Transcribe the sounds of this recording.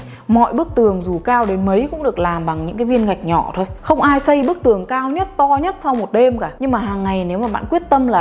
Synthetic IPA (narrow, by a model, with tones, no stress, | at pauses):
mɔ̰˧˨jɓɨ˦˥ək̚t̪ɨ˨˩əŋzu˨˩kaː˧wɗe˨˦nmə˨˦jkʊ̰˧˥ŋ͡mɗɨ˨˩ək̚laː˨˩mɓa˨˩ŋɲɨ̰˧˥ŋkaː˨˦vi˧ənɣa˨˩jk̟̚ɲɔ̰˧˩t̪ʰo˧jxə˧wŋ͡mʔaː˧jsə˧jɓɨ˦˥ək̚t̪ɨ˨˩əŋkaː˧wɲə˦˥t̚t̪ɔ˧ɲə˦˥t̚sa˧wmo˨˩t̚ɗe˧mkaː˧˩ɲɨ˧ŋmaː˨˩ɦaː˨˩ŋːa˨˩jne˨˦wmaː˨˩ɓa̰ː˧˨nkwi˦˥ət̚t̪ə˧mlaː˨˩